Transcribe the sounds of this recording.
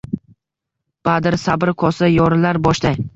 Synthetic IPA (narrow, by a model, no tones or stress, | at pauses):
b̥ad̪ɪɾsabɾɪkʰɒsajɒɾɪlaɾbɒʃd̪aj